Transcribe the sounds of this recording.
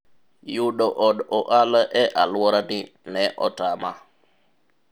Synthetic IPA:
juɗɔʔɔɗɔʔalʔɛʔalwɔɾanɪ | nɛʔɔ̰tama

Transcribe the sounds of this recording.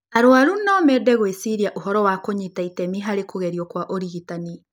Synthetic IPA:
aɾoaɾunɔmɛdɛɣwesiɾiaʔoɦɔɾɔwakoɲitaitɛmiɦaɾekoɣɛɾiɔkwaʔoɾiɣitani

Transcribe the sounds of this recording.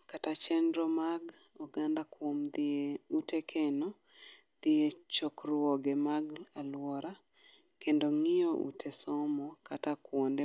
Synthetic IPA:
katat͡ʃɛndɾɔmaɡɔɡandakwomd̪eutekʰɛnɔ | d̪̥ɪet͡ʃɔkrwɔɡɛmaɡalwɔɾa | kendoŋɪoʔṵtʰesɔmɔkatakwɔnde

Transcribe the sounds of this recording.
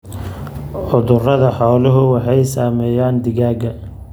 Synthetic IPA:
ʕʊðʊrɐðɐħɔːlʊɦʊwɑħɑjsaːmɛːjaːnd̪ɪɣaːɡɐ

